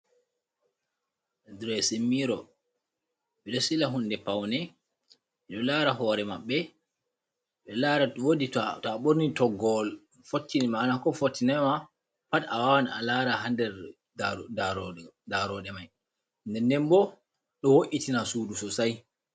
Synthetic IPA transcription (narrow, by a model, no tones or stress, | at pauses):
dɾesimːiɾɔ | ɓɛɗɔsilaɦunːdɛpawnɛ | mɛɗɔlaɾaɦɔːɾɛmaɓːɛ | ɓɛlaːɾawodittɔaɓoɾnitɔɡɔl | fotːinmaːnakɔfotːinɛma | patawawana̰laɾaɦandɛɾ | daɾdaɾɔɗɛmaj | ndɛndɛnbɔ | ɗɔwoʔitinasuːdusɔsaj